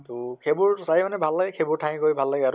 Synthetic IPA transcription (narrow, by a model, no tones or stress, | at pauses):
tʊkʰebʊɹtajmanɛbʱalːaɡɛkʰebʊɹtʰaɦĩkojbʱalːaɡɛa